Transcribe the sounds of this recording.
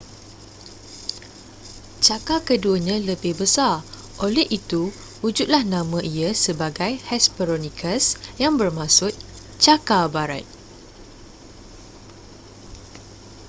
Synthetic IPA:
t͡ʃakakəduəɲãləbɪhbəsar | ʔolɛhʔit̪u | ud͡ʒut̪̚lahnãmə̃ʔiəsəbaɡajhɛspəɾonĩkʰəsjaŋbərmãsʊt̪̚ | t͡ʃakabaɾat̪̚

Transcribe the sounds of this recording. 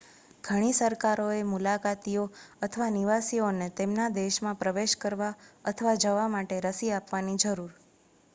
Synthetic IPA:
ɡ̥ʱəɽ̃isəɾkaɾoemulakat̪ioət̪ʰəʋaniʋasionet̪emnad̪eʃmãpɾəʋeʃkəɾʋaət̪ʰəʋad͡ʒəʋamaʈeɾəsiapʋanid͡ʒəɾuɾ

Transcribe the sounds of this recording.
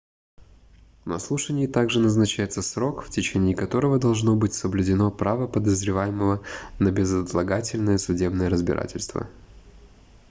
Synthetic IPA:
nɐ̰slˠuʂənʲɪɪt̪aɡʐɨnəznɐt͡ɕæjɪt̪səsɾo̞kftʲɪt͡ɕenʲɪːkɐt̪o̞ɾəvəd̪ɐlˠʐno̞bɨtʲsəblʲʉdʲɪno̞pɾavəpəd̪əzɾʲɪvajɪməvənəbʲɪzət̪lˠɐɡatʲɪlʲnɨjəsʊdʲe̞bnɨjəɾəzbʲɪ̰ɾa̰tʲɪlʲst̪və̰

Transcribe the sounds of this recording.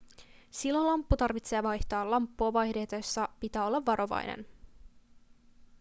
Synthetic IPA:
silːo̞lɑmpːut̪ɑrʋit̪se̞ːʋɑjht̪ɑːlɑmpːuɑʋɑjhde̞ːt̪ɑjsːɑpit̪æːo̞lːɑʋːɑɾo̞ʋɑ̰jnḛn

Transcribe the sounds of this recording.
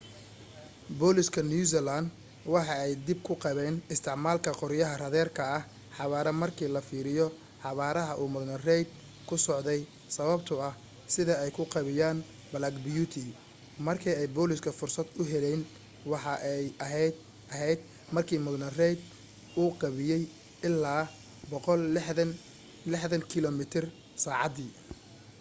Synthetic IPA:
bɔːlɪskʰɐnus̬ɛland̪ | wɑħɑɛjd̪ɪb̚kʰʊqɑβɛːnɪst̪ʰɪʕmaːlkʰɐqɔɾɪjɐɦɐrɐðɛːrkʰɐɐh | ħɑβaːɾɐmɐrkʰiːlɐfiːɾɪjɔ | ħɑβaːɾɐɦɐʔuːmʊɣnɐrɛjd̪̚ | kʰʊsɔʕd̪ɛj | sɐβɐbt̪ʰʊɐh | sɪðɐɛjkʰʊqɑβɪjaːn | bɐlaːɡbjuːt̪ʰi | mɐrkʰiːɛjbɔːlɪskʰɐfʊrsɐd̪ʊɦɛlɛjn | wɑħɑʔɛjɐɦɛ | ɐɦɛjd̪ | mɐrkʰiːmʊðnɐrɛjd̪ | uːqɑβɪjɛj | ɪlːaː | bɔqɔl | lɪħðɐŋkʰɪlɔmɪt̪ʰɪr | saːʕɑd̪iː

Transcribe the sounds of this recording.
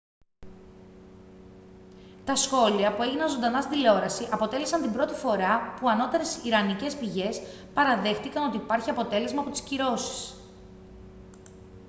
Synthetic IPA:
t̪ɐsxo̞liɐpue̞ʝinɐnzo̞nd̪ɐnɐst̪id̪ileo̞ɾɐsiʔɐpo̞t̪e̞lesɐnt̪imbɾo̞t̪ifo̞ɾɐpuɐno̞t̪e̞ɾe̞siɾɐnice̞spiʝe̞s | pɐɾɐðe̞xt̪ikɐno̞t̪̬iːpɐɾçiɐpo̞t̪e̞le̞zmɐpo̞t̪i̥sciɾo̞si̥s

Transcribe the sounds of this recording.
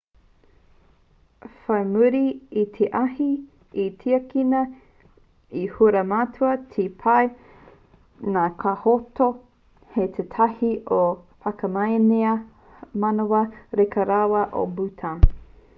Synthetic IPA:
fɐjmuɾiːt̪ʰeʔɐhi | itʰiɐkinɐ | ihuɾɐmatuɐtʰipʰɐj | nakʰahoto | het̪ʰetʰɐhiʔofɐkɐmɐjneɐ | mɐnowɐɾekɐɾawɐʔo̰butʰan

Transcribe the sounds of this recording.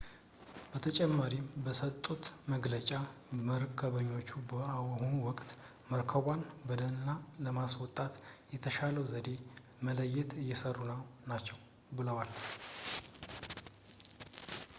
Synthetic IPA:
b̥ət̪ʰət͡ʃʼɛmːaɾimbəsət̪ʼːut̪məɡlət͡ʃʼa | məɾɨkʰːəβəɲːo̞t͡ʃːubəawəhunuwɔkʼt̪ | məɾkʰəβanbəd̪ənɨnːaləmaswɔt̪ʼat̪jɛt̪ʰəʃaləwzəd̪e̞ | mələjːɛt̪ɨjːɛsərːunəwnat͡ʃːɛw | bɨləwal

